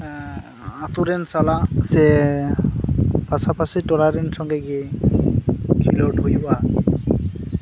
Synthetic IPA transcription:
at̪uɾɛnsalasɛ | pasapasitɔlaɾɛnsɔŋɡɛɡi | kʰilɔthojwa

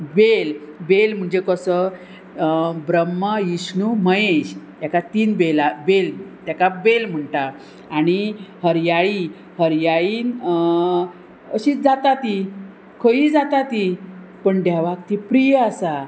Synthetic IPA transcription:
belbelm̤əɳd͡ʑekəsə | bɾəmːəjisnuməjeɕt̪jakat̪iːnbelabelt̪jakabelm̤əɳʈaː | ɽ̃ihəɾjaɭi | həɾjaɭiːn | əɕid͡zat̪at̪i | kʰəjiːd͡zat̪at̪i | pəɳd̪jaʋak̚t̪ipɾijəasa

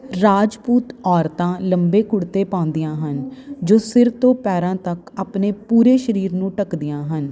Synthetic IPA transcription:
ɾaːd͡ʒpuːt̪ɔːɾt̪ãːləmbeːkʊɽt̪eːpãːʊ̃nd̪ɪjãːɦənd͡ʒoːsɪɾt̪õːpɛːɾãːt̪əkaːpneːpuːɾeːʃəɾiːɾnũːʈəkd̪ɪjãːɦən

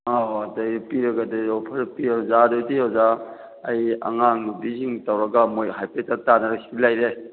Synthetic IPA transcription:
aadɐjpiɾɐɡadɐopʰɐɾpiazadodiazaː | jɐ̰ŋaŋubiziŋtawɾɐɡamojɦajpetatanaɾasi̥pilajɾe

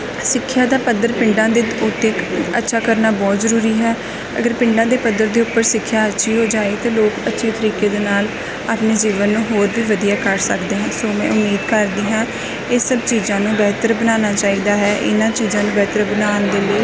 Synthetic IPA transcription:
sɪkʰːjaːd̪aːpəd̪əɾpɪɳɖãːd̪eːʊt̪eːkə̰tːʃʰaːkəɾnaːbɔːt̪zəɾuːɾiːɦɛː | ə̰ɡəɾpɪɳɖãːd̪eːpəd̪əɾd̪eːʊpːəɾsɪkʰːjaːətːʃʰiːɦoːd͡ʒaːeːt̪ãːloːkətːʃʰeːt̪əɾiːkeːd̪eːnaːl | aːpneːd͡ʒiːʋənːũːɦoːɾbiːʋəd̪ijaːkəɾsəkd̪eːɦɛ̃ːsoːmɛ̰̃ːʊmiːd̪kəɾd̪iːɦãː | ɪsəbt͡ʃiːzãːnũːbɛːt̪əɾbənaːnaːt͡ʃaːiːd̪aːɦɛːʔɪ̰nãːt͡ʃiːzãːnũːbɛːt̪əɾəbənaːnd̪eːleiː

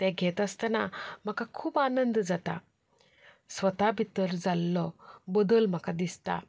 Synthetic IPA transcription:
t̪ɛ̃ɡʱɛt̪əst̪ənam̤əkakʰuːpanənd̪d͡zat̪a̰ | sʋət̪abʱit̪əɾd͡zalːɔbəd̪əlm̤əkad̪ist̪a̰

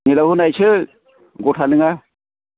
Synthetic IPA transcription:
ŋilahunajsʰɯ | ɡɔtʰanɯŋa

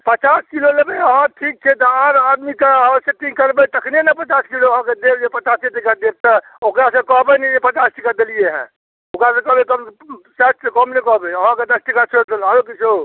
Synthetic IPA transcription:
pət͡ʃaskilolebeəɦãʈʰik̚t͡ʃʰɛt̪ɔaɾad̪mikeɦəseʈ̪ĩkəɾbɛt̪əkʰnenəpət͡ʃaskiloəɦãked̪eɾd͡ʒepət͡ʃaseʈ̪ikad̪ek̚t̪a | okɾasekɔɦbɛnɛd͡ʒepət͡ʃasʈikad̪elijeɦɛ̰̃ | okɾasẽkɔɦbekəmsat̪sekɔmnekɔɦbeəɦãked̪əsʈikat͡ʃʰet̪elaɾokit͡ʃʰo

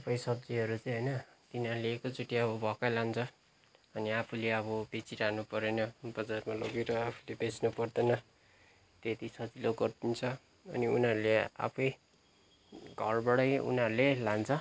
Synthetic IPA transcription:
apʰʌjsʌb̚d͡ziɦʌɾut͡sʌĩɦʌjnʌt̪inʌleːkot͡suʈiʌβʌbʱʌkajlant͡sʰʌ | ʌniapʰuleʌβʌbet͡siɾanupʌɾenʌbʌd͡zarmalʌɡeɾʌapʰu̥lebet͡snupʌrd̪ʌnʌ | t̪et̪isʌt͡siloɡʌrt̪int͡sʰʌ | ʌ̰niunʌɾulea̰pʰʌj | ɡʱʌrbʌɽʌjṵnʌɾulelant͡sʰʌ

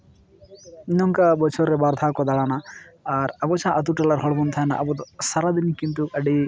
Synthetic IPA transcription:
inɔŋkabɔt͡ʃʰɔɾːɛbaɾd̪ʱakɔd̪aɽanaːɾɐbɔt͡ʃãʔət̪̬uʈɛlaɾɦɔɽbɔnt̪ʰana̰ʔɐbɔt̪ɔsaɾad̪inikint̪̬uəɖi

